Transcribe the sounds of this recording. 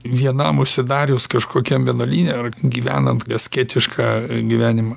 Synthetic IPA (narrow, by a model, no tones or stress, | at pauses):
ʋʲiɛnɐmʊʃʲsʲɪd̪ɑːɾʲʊːskɐʃkoːkʲɛmʋʲiɛnoːlʲiːnʲeːɐrɡʲiːʋʲæ̰ːnɐnt̪ɡɐsʲkʲɛːt̪ʲɪʃkɑːɡʲiʋʲæːnʲɪmɐː